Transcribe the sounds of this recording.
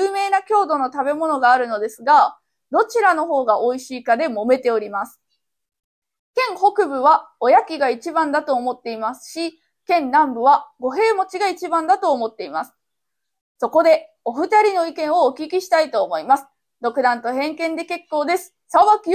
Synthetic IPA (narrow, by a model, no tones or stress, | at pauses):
ɯːme̞ːnakʲo̞ːd̪o̞no̞t̪abe̞mo̞no̞ɡaːɾɯ̟no̞d̪e̞sɨɡa | d̪o̞t͡ɕiɾano̞ɦo̞ːɡaʔo̞iɕiːkad̪e̞mo̞me̞t̪e̞o̞ɾʲimasɨ̥ | kẽ̞ŋho̞kɯ̟bɯ̟βao̞jakʲiɡait͡ɕibãnd̪at̪o̞ːmo̞t̪ːe̞imasɨ̥ɕi | kẽ̞nnãmbɯ̟βaɡo̞ɦe̞ːmo̞t͡ɕiɡait͡ɕibãnd̪at̪o̞ːmo̞t̪ːe̞imasɨ̥ | so̞ko̞d̪e̞ | o̞ɸɯ̟t̪aɾʲino̞ikẽ̞ɰ̃o̞ːkʲikʲiɕi̥t̪ait̪o̞ːmo̞imasɨ̥ | d̪o̞kɯ̟d̪ãnt̪o̞ɦẽ̞ŋkẽnd̪e̞ke̞kːo̞ːd̪e̞sɨ̥saβaki